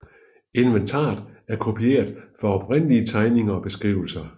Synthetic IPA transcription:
e̝nʋent͡sʰɑ̰̈ːd̥ˠæɐkʰo̝pʰie̝̰ːɐðˠfɒɒb̥ʁen̰liət͡sʰɑ̈ɪne̝ŋɐɒ̽b̥e̝sɡ̥ʁḭːʊ̰l̩sɐ

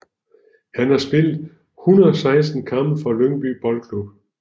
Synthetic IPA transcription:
hænhɑ̈sb̥e̝l̰d̩ˠ | hunɐðˠɒ̽sɑ̈ɪs̬d̥n̩kʰɑ̈m̥əfɒløŋb̥y̰ːb̥ɒ̽lkʰlub̥

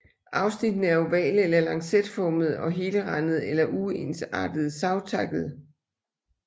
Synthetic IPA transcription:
ʔɑ̈ʊsnid̥nəæɐoʋɛ̰ːlelɐlɑ̈ŋsed̥fɒːməð̞̩ˠɒ̽ɦe̝ːləʁɑnð̞̩ˠelɐʔue̝nsɑ̰̈ːd̥əð̞̩ˠsɑ̈ʊt͡sʰɑ̈ɡ̥ð̞̩ˠ

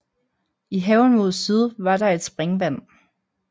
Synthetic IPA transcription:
iɦɛʊn̩mo̝ð̞̰ˠsið̞ˠʋɑ̈ɾ̥ɑ̈e̝d̥sb̥ʁɛŋʋæn̰

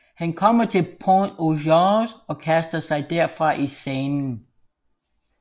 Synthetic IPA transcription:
hænkʰɒ̽m̰ɐt͡sʰe̝lpʰonoʃɑsɒ̽kʰæsd̥ɐsɑ̈ɪd̥æɐ̰fʁɑ̈ʔisɛːnn̩

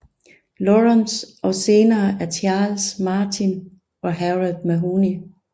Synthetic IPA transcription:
lɔʁɑnsʔɒ̽se̝ːnɐːʔæɐt͡ɕʰɑ̈ːlsmɑ̈ːt͡sʰin | ɒ̽ɦæʁiðˠmæɦuːni

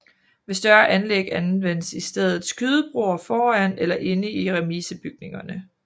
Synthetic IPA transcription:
ʋe̝sd̥ɶɐʔænleɡ̥ænʋen̰əsisd̥eð̞ˠð̩ˠsɡ̥yð̞ˠəb̥ʁo̝ɐfɒːænelɐʔe̝nəiʁɛmiːsəb̥yɡ̥ne̝ŋɐnə

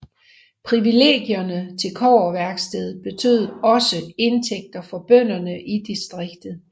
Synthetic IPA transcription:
pʰʁiʋile̝̰ːɡ̥jɐnət͡sʰe̝lkʰɒ̰ːɐʋæɐɡ̥sd̥eð̞ˠb̥e̝t͡sʰø̰ð̞̰ˠɒ̽səe̝nt͡sʰeɡ̥̚d̥ɐfɒ̽b̥œn̰ɐnəʔid̥isd̥ʁeɡ̥̚d̥ð̩ˠ

